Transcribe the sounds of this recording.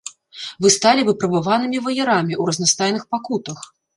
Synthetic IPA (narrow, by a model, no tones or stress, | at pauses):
vɨst̪alʲivɨpɾɐbɨvanɨmʲivɐjɛɾamʲiuɾɐznast̪ajnɨxpakut̪ɐx